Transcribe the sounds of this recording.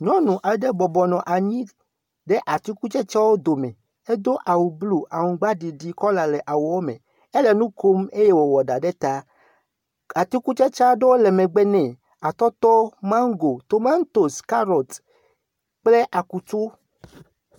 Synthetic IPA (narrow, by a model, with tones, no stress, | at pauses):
ɲɔ̃˦nũ˨ʔa˨˦ɖɛ˦bɔ˨bɔ˨nɔ̃˨ʔa˨ɲĩ˦ | ɖɛ˦ʔa˨t̪i˦ku˦t͡ʃɛ˦t͡ʃa˦wo˦d̪o˨mɛ˨ | e˦d̪o˦ʔa˨wu˨blu˦ʔa˨ŋũ˨ɡ͡ba˦ɖi˨ɖi˨kɔ˦la˨lɛ˨ʔa˨wo˨wo˦mɛ̰̃˨ | e˦lɛ˨nũ˦ko˦me˦je˦wo˨wɔ˨ɖa˨ɖɛ˦t̪a˦ | a˨t̪i˦ku˦t͡ʃɛ˦t͡ʃa˦ɖe˦wo˦lɛ˨mɛ˨ɡ͡bɛ˦nɛ̃˨ | a˨t̪ɔ˦t̪ɔ˦mã˦ŋ˦ɡo˨t̪o˨ma˦n˦t̪o˨ska˦ɾɔ˨t̪ | k͡ple˦ʔa˨ku˨t͡ʃo˦